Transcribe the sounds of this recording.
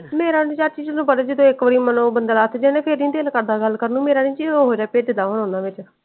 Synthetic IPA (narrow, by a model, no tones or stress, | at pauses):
meːɾaːnĩːt͡ʃaːɾt͡ʃiːd͡ʒnũːpəɽed͡ʒɪd̪õːɪkʋəɾiːmənõːbənd̪əlaːt̪ʰd͡ʒenẽːpʰɪɾnĩːd̪eːlkəɾd̪aːɡəlkəɾnũːmeːɾaːnĩːd͡ʒioɦoːd͡ʒaːpeːd̪ɪd̪aːmənõːnãːʋɪt͡ʃ